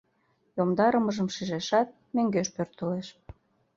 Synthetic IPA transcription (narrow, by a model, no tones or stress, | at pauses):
jomd̪ɑɾəməʒəmʃiʒeʃɑt̪̚møŋɡeʃpørt̪əleʃ